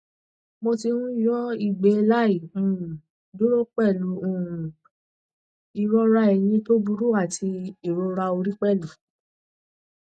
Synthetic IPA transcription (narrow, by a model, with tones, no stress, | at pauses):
mo˧ti˧nũ˦jɔ˦i˦˨ɡ͡be˨˦˧la˦i˨ũ˨ | do˦ɾo˦k͡pɛ˦˨lu˨˦ũ˦˨ | i˨ɾɔ˧ɾa˧˦ɛ˨j̃ĩ˧to˦bu˧ɾu˦a˦˨tʰi˧i˦˨ɾɔ˧ɾa˧o˧ɾi˦k͡pɛ˦˨lu˨˦